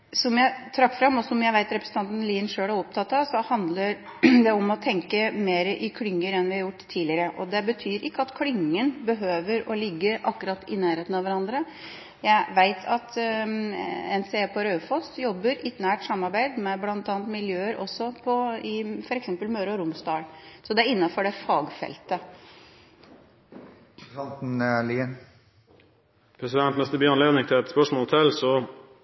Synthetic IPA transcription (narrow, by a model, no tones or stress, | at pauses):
sɔmjæɪt̪ʰɾɑkːfɾɑmːɔsɔmjæɪʋæɪt̪ɾɛpɾəsn̩t̪ɑnt̪ənliːnʂøːɽæɾɔp̚t̪ʰɑt̪ːɑʋsɔhɑnd̪ləɾ | d̪ɛɔmɔt̪ʰɛŋkəmeːɾəʔɪkʰlʏŋːəɾɛnʋɪhɑɾjʊʈːt̪ʰːiːlɪəɾəʔɔd̪ɛbət̪ʰyːɾɪkːəɑt̪kʰlʏŋːənbəɦøːʋəɾɔlɪɡːəʔɑkːʉɾɑt̪ʰːɪnæːɾheːt̪n̩ɑʋæɾɑnd̪ɾə | jæɪʋæɪt̪ʰɑt̪ | ɛnseːpʰɔɾøːfɔst̪jɔbːəɾɪt̪næːʈsɑmːɑɾbæɪd̪mɛblɑnt̪ɑːnt̪mɪljøːəɾʔɔ̰sːɔpʰɔɪfɔɾɛksɛmpəlmøːɾɔɾʊmsd̪ɑːlsɔd̪ɛæɾɪnːɑfɔɖɛfɑːɡfɛ̰lt̪ə | nt̪n̩liən | pʰɾɛsɪd̪ɛnt̪mɛst̪əbyːɑnleːd̪nɪŋt̪ʰɪlɛt̪spœʂmɔːt̪ʰɛlsɔ